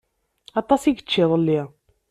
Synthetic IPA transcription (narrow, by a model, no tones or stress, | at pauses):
ɑt̪ˤɑsiɡət͡ʃːiðˤəlːi